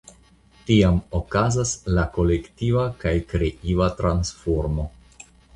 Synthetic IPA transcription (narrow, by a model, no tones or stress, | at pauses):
tiamokazaslako̞lektivakajkɾeʔivatɾansfoɾmo̞